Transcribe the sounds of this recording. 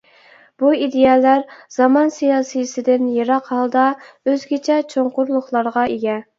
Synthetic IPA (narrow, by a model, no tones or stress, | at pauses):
b̥uid̪ejɑːlæɾz̥ɑmɑnsijɑːsɨjsɪd̪ɪnjeɾɑqhɑlˠd̪ɑ | øzɡʲɪt͡ʃʰɛt͡ʃʰoɴqʊɾlˠʊχlˠɑɾʁɑeɡʲɛ